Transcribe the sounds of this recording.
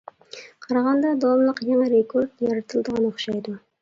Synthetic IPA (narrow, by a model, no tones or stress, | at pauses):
qʰɑɾɑʁɑnd̪ɑd̪ɑwɑmlˠəqjaŋɑɾekʰoɾd̪jɑɾɑt̪ʰɨlˠd̪əʁɑnoχʃɑjd̪ʊ